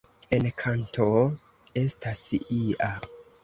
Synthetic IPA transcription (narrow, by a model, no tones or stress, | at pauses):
enkʰantʰo̞ | e̞stasiʔa